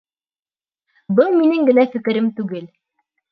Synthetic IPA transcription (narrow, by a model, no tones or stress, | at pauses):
bɤlˠminɘŋɡɘ̆næfɘ̆kɘ̆ɾɘmt̪ʉɡɘl